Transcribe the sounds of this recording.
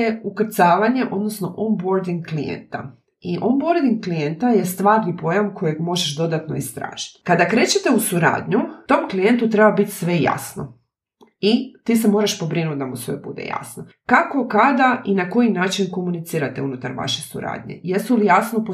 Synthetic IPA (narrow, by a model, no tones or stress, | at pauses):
eukrt̪saːʋaɲe̞ʔo̞d̪no̞sno̞ʔombo̞ɾd̪iŋɡklijḛnt̪a | iʔombo̞ɾd̪iŋɡklijent̪aje̞st̪ʋaːɾnipo̞jamkʰo̞jeɡmo̞ʒeʃd̪o̞d̪at̪no̞̰ist̪ɾa̰ːʒ̥i̥t̪kad̪akɾe̞ːt͡ɕet̪e̞usuɾa̰ːd̪ɲut̪o̞mklije̞nt̪ut̪ɾebabit̪ʲsʋe̞ja̰sno̞̰ | it̪iːs̬emo̞ːɾaʃpo̞bɾinut̪̚d̪amusʋḛbṵd̪ḛja̰sno | kako̞kad̪aʔinako̞jinaːt͡ʃinko̞munit̪siːɾat̪eunut̪aɾʋa̰ʃe̞sṵɾa̰ːd̪ɲe̞̰jesulijasnop